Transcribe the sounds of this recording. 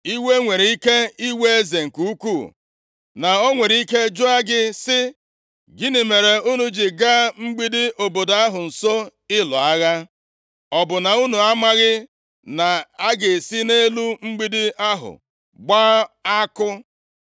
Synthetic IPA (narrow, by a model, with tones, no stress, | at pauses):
i˦we˦ŋʷe˨ɾi˨i˦ke˦i˦we˦e˦ze˨ŋ̩˨ku˦u˦ku˦˨ | na˨o˦ŋʷe˨ɾi˦ke˦d͡ʒʊ˦a˦ɡɪ˦sɪ˦ | ɡɪ˦nɪ˨me˨ɾe˨u˦nu˦d͡ʒi˨ɡa˦ŋ͡m̩˦ɡ͡bi˦dɪ˦ʔo˨bo˨do˨a˦ɦʊ˨n̩˨so˦ɪ˦lɔ̰˨a˦ɣa˦ | ɔ˨bʊ˨na˨u˦nu˨a˦ma˦ɣɪ˦ | na˨a˦ɡe˨si˦ne˦lu˦ŋ͡m̩˦ɡ͡bi˦dɪ˦a˦ɦʊ̰˨ | ɡ͡baː˦a˦kʊ˦